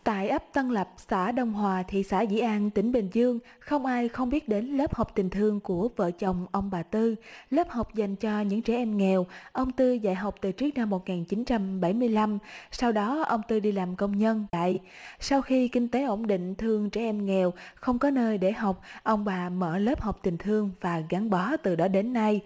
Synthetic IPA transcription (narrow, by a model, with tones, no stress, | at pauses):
t̪a̰ː˧˨jʔə˦˥p̚t̪ə˧nlə˨˩p̚sa̰ː˧˩ɗə˧wŋ͡mɦwaː˨˩t̪ʰḭ˨sa̰ː˧˩zḭ˧˩˨ʔaː˧nt̪ï˧˩ŋ̟ɓï˨˩ŋ̟zɨ˧əŋ | xə˧wŋ͡mʔaː˧jxə˧wŋ͡mɓi˦˥ət̚ɗe˨˦nlə˦˥p̚ha˨˩wk͡p̚t̪ï˨˩ŋ̟t̪ʰɨ˧əŋku˧˩əvə̰ː˧˨t͡ɕə˨˩wŋ͡mʔə˧wŋ͡mɓaː˨˩t̪ɨ˧ləː˦˥p̚ha˨˩wk͡p̚za˨˩jŋ̟t͡ɕɔ˧ɲɨ̰˧˥ŋt͡ɕɛ˧˩ʔɛ˧mŋɛ˨˩wʔə˧wŋ͡mt̪ɨ˧za̰ː˧˨jɦa˨˩wk͡p̚t̪ɨ˨˩t͡ɕɨ˦˥ək̚na˧mːo˨˩t̚ŋaː˨˩nt͡ɕi˨˦nt͡ɕa˧mɓa˧˩jmɨ˧əjla˧msa˧wɗɔ˨˦ʔə˧wŋ͡mt̪ɨ˧ɗi˧laː˨˩mkə˧wŋ͡mɲə˧nt̪a̰ː˧˨j | sa˧wxi˧kï˧ŋ̟t̪e˨˦ʔo˧˩nɗḭ̈˧˨ŋ̟t̪ʰɨ˧əŋt͡ɕɛ˧˩ʔɛ˧mŋɛ˨˩wxə˧wŋ͡mkɔ˨˦nəː˧jɗe˧˩ɦa˨˩wk͡p̚ʔə˧wŋ͡mɓaː˨˩mə̰ː˧˩ləː˦˥p̚ha˨˩wk͡p̚t̪ï˨˩ŋ̟t̪ʰɨ˧əŋvaː˨˩ɣa˨˦ŋɓɔ˨˦t̪ɨ˨˩ɗɔ˨˦ɗe˨˦nːa˧j